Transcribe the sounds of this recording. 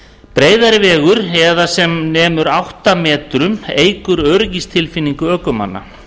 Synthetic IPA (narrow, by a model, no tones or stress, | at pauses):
pɾeːjðaɾɪvɛːɣʏɾɛðasɛmnɛːmʏɾawht̪amɛːt̪ɾʏmeːjkʏɾœːɾcist̪ʰɪlfinːiŋkʏœːkʏma̰nːa̰